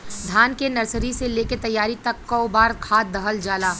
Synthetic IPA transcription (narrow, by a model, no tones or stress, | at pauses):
d̪ʱaːnkenɐɾsəɾiseleːket̪ɐjːaːɾit̪ɐkːɔʊbaːɾkʰaːt̪̚d̪ɐɦəld͡ʒaːlaː